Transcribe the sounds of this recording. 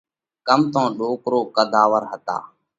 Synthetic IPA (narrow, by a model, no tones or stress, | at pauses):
kəmt̪õːɗoːkɾoːkəd̪ʱaːʋəɾɦət̪a̰ː